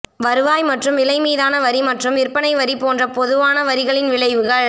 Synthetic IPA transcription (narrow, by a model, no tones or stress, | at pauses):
ʋɐɾɯʋaːjmɐʈrɯmɪlɐɪmiːðaːnɐʋɐɾimɐʈrɯmɪrpɐnɐɪʋɐɾipoːndrɐpɔðɯʋaːnɐʋɐɾɪɣɐɭɪnʋɪɭɐɪʋɯɣɐɭ